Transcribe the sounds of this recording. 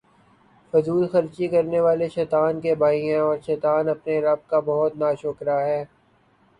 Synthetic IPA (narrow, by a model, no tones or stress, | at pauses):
fʊzuːlxɐɾt͡ʃikɐɾneʋaːleʃɛːt̪aːnkebʱaːiẽɔːɾʃɛːt̪aːnɐpneɾɐb̚kabɐɦʊt̪naːʃʊkɾaɦɛː